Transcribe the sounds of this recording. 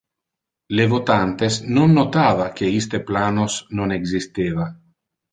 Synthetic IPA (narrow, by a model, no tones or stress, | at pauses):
levot̪ant̪esnonːot̪aːvakeist̪eplaːnosnoneɡzist̪eːva